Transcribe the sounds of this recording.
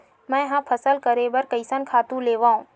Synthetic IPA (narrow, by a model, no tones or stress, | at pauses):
mɛ̃ːɦãpʰəsəlkəɾebɐɾkəɪsənkʰaːt̪ũleːʋaːɦũː